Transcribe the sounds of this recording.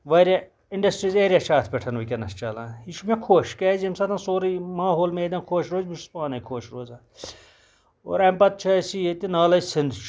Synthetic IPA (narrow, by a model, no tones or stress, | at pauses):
ʋɐɾʲa | ɪɳɖɐsʈɾiːzeːɾʲjat͡ʃʰaːt̪ʰpʲeʈʰɐnʋukʲɐnɐst͡ʃɐlãːɦiʃʰumẽkʰoːʃkɛːzimsɐt̪ʰãnsoːɾimaːɦoːlmeːd̪ɐ̃nkʰoːʃɾoːzmiʃʰu̥spaːnɐjkʰoːʃɾoːzaː | o̰ːɾɐmpɐt̪̚t͡ʃʰɐsiːt̪inaːlɐsɪnd̪t͡ʃʰ